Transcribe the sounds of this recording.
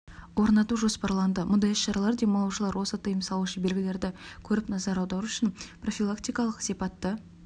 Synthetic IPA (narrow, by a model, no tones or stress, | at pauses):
wo̞ɾnɑt̪uʒo̞spɑɾlˠɑnd̪əmʔʊnd̪ɑjəsʃɑɾɑlˠɑɾd̪ejmolˠoʒəlˠɑɾwo̞sət̪ʰəjəmsɑlˠuʃəbe̞lɡʲɪle̞ɾd̪ɪkʲʰɵɾɪpnɑzɑɾɑwd̪ɑɾuʏʃɪnpro̞fʲilˠakt̪ʲijkɑlˠəqsipɑt̪ːə